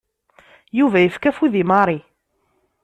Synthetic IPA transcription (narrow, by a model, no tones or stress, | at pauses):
juvæjəfkæfiðimɑɾˤi